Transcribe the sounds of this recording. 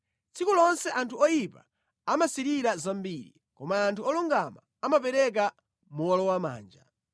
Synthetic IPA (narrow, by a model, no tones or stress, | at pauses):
t͡sʰikulɔnsɛʔantʰuɔjipa̰ | amasiɾiɾazambiːɾḭ | kɔmaːntʰuɔluŋɡama | amapɛɾɛk̬a | muɔlɔwama̰ːnd͡ʒa